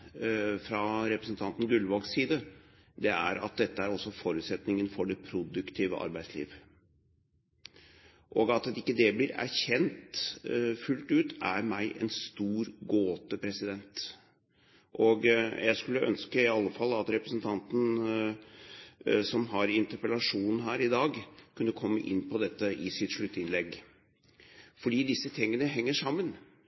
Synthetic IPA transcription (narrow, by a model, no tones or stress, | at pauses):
fɾɑɾɛpɾəsn̩t̪ʰɑnt̪n̩ɡʉlʋɑɡsiːd̪ə | d̪ɛæɾɑ̰t̪̚d̪ɛt̪ːəæɾɔsːɔfɔɾʉːt̪sɛt̪nɪŋənfɔɖɛpʰɾʊd̪ʉkt̪ʰiːʋə̰ʔɑ̰ɾbæɪslḭːʋ | ʔɔɡɑt̪ɪkːəd̪ɛblɪɾæ̰ɾçɛnt̪ | fʉlt̪ʉːt̪æɾmæɪʔɛ̰nst̪uːɾɡoːt̪əpʰɾɛsɪd̪ɛnt̪ | ʔɔɡjæɪskʉlːəʔœ̰nskəɪɑlːəfɑlːɑt̪ɾɛpɾəsnt̪ʰɑnt̪n̩ | sɔmɦɑɾɪnt̪əɾpəlɑʂuːnn̩ɦæːɾɪd̪ɑːɡkʰʉnːəkʰɔmːə̰ʔɪ̰nːpʰɔd̪ɛt̪ːəʔɪsɪt̪ʂɭʉt̪ːɪnlɛɡ | fɔɖiːd̪ɪsːət̪ʰɪŋːənəɦɛŋːəʂɑmːən